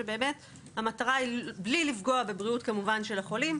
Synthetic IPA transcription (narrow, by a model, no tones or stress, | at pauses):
ebe̞ːme̞t | hamataʁaiblilifɡo̞abebʁiutkamuvanʃe̞laχo̞lim